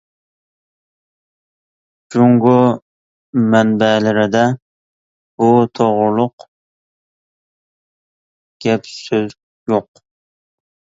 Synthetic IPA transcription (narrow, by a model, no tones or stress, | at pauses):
d͡ʒuŋɡo | mænbælɪɾɪd̪a | bʊt̪ʰoʁʊɾlˠʊq | ɡ̥ʲapsøz | joq